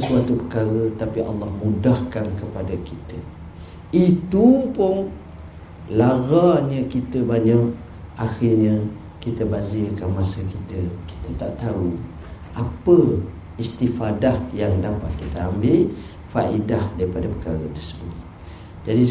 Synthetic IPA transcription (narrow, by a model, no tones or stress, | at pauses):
əsuat̪upəkaɾət̪apiʔɑ̰lːɑhmudahkankəpadakit̪ə | it̪upʊn | laɾaɲə̃kit̪əbaɲak̚ | axiɲə | kit̪əbazikanmãsəkit̪əki̥t̪ət̪a̰ʔt̪au | ʔapə | ist̪ifadahjaŋdapat̪̚kit̪əambɪl | faʔidahdaɾipadapə̥kaɾət̪ərsəbʊt̪̚ | d͡ʒadi